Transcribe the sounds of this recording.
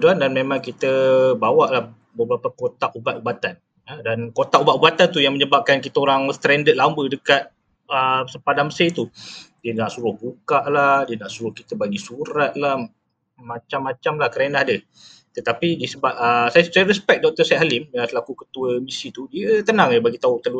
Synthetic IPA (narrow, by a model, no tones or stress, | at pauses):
dandanmemãŋkit̪əbawaʔlah | bəbɾapakot̪aʔubat̪̚ubat̪an | ədankot̪aʔubaʔubat̪ant̪ujaŋməɲəbap̚kankit̪əoɾaŋst̪ɾɛndəʔ̪̚lambədəkat̪̚ | əsəmpadanməset̪udiənaʔsuɾʊhbukaʔlahdiənaʔsuɾʊhkit̪əbaɡisuɾat̪̚lah | mat͡ʃamːat͡ʃamlahkəɾenahdə | t̪ət̪apidisəbap̚əsajsajəɾəspɛk̚dɔk̚t̪əsɛɦalɪmjasəlakukət̪uəmisit̪udiət̪ənãŋəbaɡit̪aut̪əlu